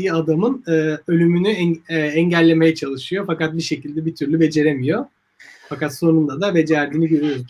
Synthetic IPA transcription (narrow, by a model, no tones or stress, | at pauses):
jad̪amɯnɯːølʲymynyɛɛɛɲɟælʲːe̞me̞jɛt͡ʃʰalˠɯʃɯjo̞fakat̪̚biʃe̞cilʲd̪ɛbit̪ʰyɾlʲybe̞d͡ʒe̞ɾe̞mijo̞ | fakat̪so̞nund̪ad̪abe̞d͡ʒæɾd̪iniɟø̞ɾyjo